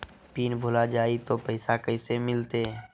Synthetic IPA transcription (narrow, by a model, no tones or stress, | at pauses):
piːnbʱolad͡ʒaːit̪opəɪsakəɪsemɪlt̪e